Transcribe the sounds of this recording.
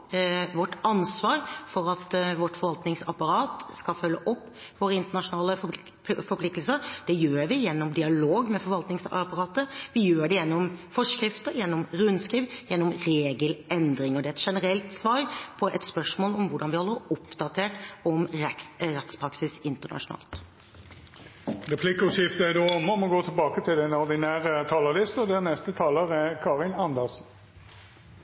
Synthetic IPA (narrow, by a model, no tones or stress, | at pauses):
ʋɔʈːɑnsʋɑːɾfɔɾɑt̪ʋɔʈːfɔɾʋɑlt̪nɪŋsɑpɑɾɑːt̪skɑfœlːəʔɔpː | ʋoːɾəɪnt̪əɳɑʂʊnɑːləf | fɔɾpʰlɪkt̪l̩səɾd̪̥ɛjøːɾʋɪjɛnːɔmd̪ɪɑloːɡmɛfɔɾʋɑlt̪nɪŋspɑɾɑːt̪əʋɪjøːɖɛjɛnːɔmfɔʂkɾɪft̪əɾjɛnːɔmɾʉnskiːʋjɛnːɔmɾeːɡəlʔɛnd̪ɾɪŋɔd̪ɛæɛt̪ʂɛnəɾɛlt̪sʋɑːɾpʰɔʔɛt̪spœʂmoːlɔmʋʊɖɑnʋɪhɔlːəʊpd̪ɑt̪ʰeːʈɔmɛɾɛt̪spɾɑksɪsɪnt̪əɳɑ̰ʂʊnɑ̰ːlt̪ | ʁɛpʰlɪkəɔʃɪft̪əd̪oːɔmːəɔmɔɡoːt̪ʰɪlbɑːkət̪ʰɪlɛnɔʁd̪ɪnæːʁət̪ʰɑːləlɪst̪ɔd̪ɛænɛst̪ət̪ʰɑːləʁɛkʰɑːʁɪnɑnd̪əʁsn̩